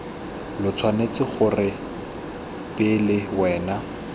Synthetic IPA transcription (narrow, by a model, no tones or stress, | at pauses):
lʊt͡sʰwanet͡sɪχʊrɪ | pʼɪlɪwɛːna